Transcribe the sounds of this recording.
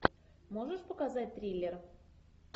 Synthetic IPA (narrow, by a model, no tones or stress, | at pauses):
moʐəʂpəkazat̚ʲt̪ɾʲilʲːer